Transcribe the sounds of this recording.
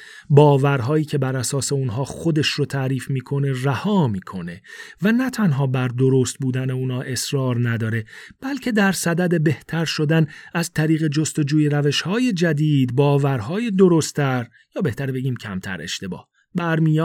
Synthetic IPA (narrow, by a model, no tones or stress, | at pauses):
bɒːvæɾɦɒːjiːcʰe̞bæɾæsɒːse̞unɦɒːxo̞d̪e̞ʃrot̪ʰæːɾiːfmiːkʰo̞ne̞ræhɒːmiːkʰo̞ne̞vænæt̪ʰænɦɒːbæɾd̪o̞ɾost̪̚buːd̪æneuːnhɒːʔe̞sɾɒːɾnæd̪ɒːɾe̞b̥ælcʰe̞d̪æɾsæd̪æd̪e̞be̞ht̪ʰæɾʃo̞d̪ænæzt̪ʰæɾiːɣe̞d͡ʒo̞st̪o̞d͡ʒuːjeɾæve̞ʃhɒːje̞d͡ʒæd̪iːd̪bɒːvæɾɦɒːje̞d̪o̞ɾo̞st̪ʰæɾ | jɒːbe̞ht̪æɾbe̞ɟiːmcʰæmt̪ʰæ̰ɾe̞̰ʃt̪e̞bɒ̰ːh | bæɾmijɒː